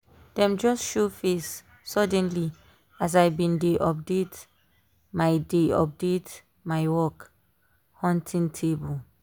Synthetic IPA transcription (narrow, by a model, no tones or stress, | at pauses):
d̥ɛ̃md͡ʒɔsʃofesː | ɔdɛ̃nli | as̬aɪbĩndeʔɔp̚det | majdeɔ̰p̚det | maɪwɔk | hɔ̃ntʰĩŋtʰebul